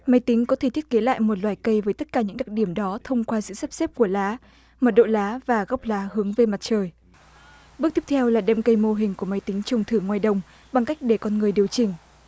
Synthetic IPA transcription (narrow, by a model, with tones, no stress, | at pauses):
ma˨˦jt̪ï˨˦ŋ̟kɔ˨˦t̪ʰe˧˩t̪ʰi˦˥ət̚ke˨˦la̰ː˧˨jmo˨˩t̚lwaː˧˨˩jkə˧jvəː˨˦jt̪ə˦˥t̚kaː˧˩ɲɨ̰˧˥ŋɗa˨˩t̚ɗi˧˩əmɗɔ˨˦t̪ʰə˧wŋ͡mkwaː˧sɨ̰˧˨saː˦˥p̚se˦˥p̚ku˧˩əlaː˨˦ | məː˨˩ɗo̰˧˨laː˨˦vaː˨˩ɣa˦˥wk͡p̚laː˨˦hɨ˨˦əŋve˧ma˨˩t̚t͡ɕəː˨˩j | ɓɨ˦˥k̚t̪ʰi˦˥p̚t̪ʰɛ˧wlaː˨˩ɗɛ˧mkə˧jmo˧ɦï˨˩ŋ̟ku˧˩əma˨˦jt̪ï˨˦ŋ̟t͡ɕə˨˩wŋ͡mt̪ʰɨ˧˩ŋwaː˨˩jɗə˨˧˩wŋ͡m | ɓa˨˩ŋka˦˥jk̟̚ɗe˧˩kɔ˧nŋɨ˨˩əjɗi˨˩əwt͡ɕï˨˩ŋ̟